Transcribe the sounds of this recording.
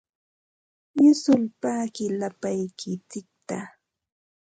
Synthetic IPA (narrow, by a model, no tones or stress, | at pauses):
jʊsʊlpaːkɪlapajkʰɪt͡sɪk̚t̪a